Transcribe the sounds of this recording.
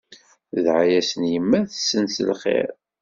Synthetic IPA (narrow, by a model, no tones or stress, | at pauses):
ðʕajæsənjəmːæθəsːənsə̰lχḛɾ